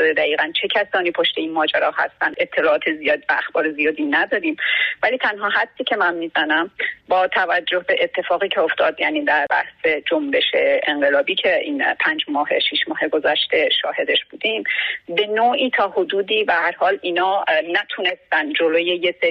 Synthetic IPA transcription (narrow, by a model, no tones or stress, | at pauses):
d̪ed̪æiːɣænt͡ʃʰe̞cʰæsɒːniːpʰoʃt̪e̞iːnmɒːd͡ʒæɾɒːhæ̰st̪ænd̪e̞t̪ʰːe̞lɒːɒːt̪ʰezijɒːd̪ivæːxbɒːɾezijɒːd̪inæd̪ɒːɾiːmvæliːt̪ʰænɦɒːɦæd̪ːiːcʰe̞mænmiːzænæmbɒːt̪ʰævæd͡ʒːohbe̞ʔet̪ʰːe̞fɒːɣiːcʰeoft̪ʰɒːd̪jæːniːd̪æɾbæ̰hse̞d͡ʒombe̞ʃeeŋɢe̞lɒːbiːcʰe̞ʔiːnpʰænd͡ʒmɒːɦeʃiʃmɒːɦe̞ɡo̞zæʃt̪e̞ʃɒːhe̞d̪e̞ʃb̥uːd̪imbe̞noːʔiːt̪ʰɒːhod̪uːd̪iːbæhæɾhɒːliːnɒːnæt̪ʰune̞st̪ænd͡ʒo̞loːjejese